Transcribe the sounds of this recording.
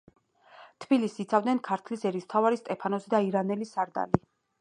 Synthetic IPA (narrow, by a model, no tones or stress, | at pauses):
t̪ʰb̥ilisiːt̪sʰavd̪nɛnkʰaɾt̪ʰlisɛɾist̪ʰavaɾist̪ʼɛpʰanɔsid̪aiɾanɛlisaɾd̪a̰li